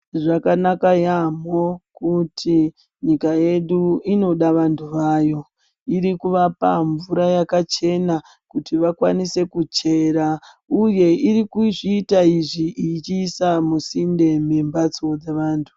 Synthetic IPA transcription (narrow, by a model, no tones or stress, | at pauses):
ʐakanakajamo̞kutʰi | ɲikaje̞ɗuino̞ɗaʋantʰuʋaːjo̞ | iɾikuʋapaɱvuɾajakat͡ʃe̞na | kutiʋakwanise̞kut͡ʃe̞ɾa | uje̞iɾikuʐiːtaiʐiʔit͡ʃiːsamusinde̞membat͡so̞d͡zeʋaːntʰu